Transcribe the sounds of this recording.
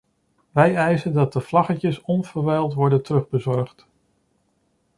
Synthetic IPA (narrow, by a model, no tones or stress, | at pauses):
ʋɛjɛjzəndɑt̚dəvlɑχəcəsɔnvəɹʋɛjlˠtʋɔɹdəntərɵχbəzɔɹχt